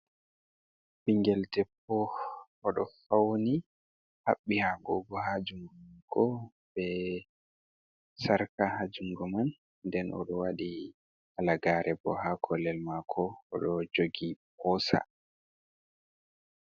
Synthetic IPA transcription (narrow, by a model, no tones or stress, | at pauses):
ɓiŋɡɛldɛpːɔː | ɗɔfawni | haɓːihaɡɔɡɔhad͡ʒuŋɡɔmankɔ | bɛ | saɾkahad͡ʒuŋɡɔman | dɛnʔɔ̰ɗɔwaɗi | ʔalaɡaɾʔɛbɔ̰hakʰɔlɛlmakʰɔɔɗɔd͡ʒoɡipɔsa̰